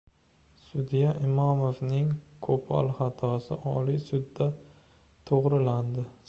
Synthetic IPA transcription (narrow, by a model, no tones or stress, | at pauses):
sʊd̪ijaʔɪmɒmovnɪŋkʰopʰɒ̰lˠχat̪ʰɒsɪʔɒlisʊd̪ːa | t̪ʰoʁɾɪland̪ɪ